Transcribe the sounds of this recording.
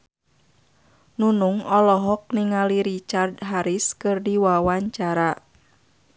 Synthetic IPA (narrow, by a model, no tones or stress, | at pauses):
nunuŋɔlɔɦɔk̚niŋaliɾit͡ʃardɦaɾiskɨrdiwawaɲt͡ʃaɾa